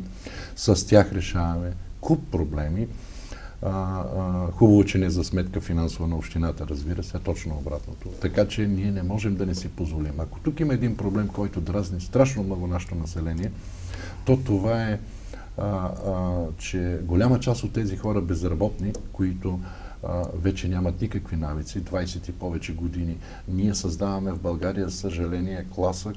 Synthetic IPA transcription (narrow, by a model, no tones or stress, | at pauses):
sɐst̪ʲjaxɾɛʃavɐmɛkupːɾoblɛmi | xubɐvot͡ʃɛnɛzɐsmɛt̪kəfinansovənɐopʃt̪inat̪əɾɐzbiɾəsɛt̪ɔt͡ʃnoobɾa̰t̪not̪ot̪ɐkat͡ʃɛniɛnɛmɔʒɛmd̪ɐnɛsipozvolimɐko̥t̪ukimɐɛd̪inpɾoblɛmkɔjt̪ʊd̪ɾaznist̪ɾaʃnomnɔɡʊnaʃɛ̥t̪onɐsɛlɛniɛ | t̪ɔt̪ovaɛ | t͡ʃɛɡolʲamət͡ʃast̪ot̪ːɛzixɔɾɐbɛzɾɐbɔt̪nikoit̪o | vɛt͡ʃɛnʲamɐt̪nikəkvinavit̪sid̪vajsɛt̪ipɔvɛt͡ʃɛɡod̪ini | niɛsɐzd̪avɐmɛvbɐlˠɡaɾijəsəʒɐlɛniɛklˠasə